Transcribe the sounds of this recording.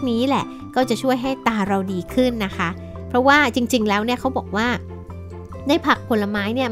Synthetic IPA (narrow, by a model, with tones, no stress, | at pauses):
niː˦˥lɛ˨˩ | kɔː˥˩t͡ɕa˨˩t͡ɕʰu˥˩əjɦa˥˩jt̪aː˧ɾa˧wdiː˧kʰɯ˥˩nːa˦˥kʰa˦˥ | pʰɾɔ˦˥waː˥˩t͡ɕi˧ŋt͡ɕi˧ŋlɛː˦˥wni˥˩ɐkʰa˦˥wbɔː˨˩k̚waː˥˩ | daː˥˩jpʰa˨˩k̚pʰo˧la˧maː˦˥jni˥˩ɐ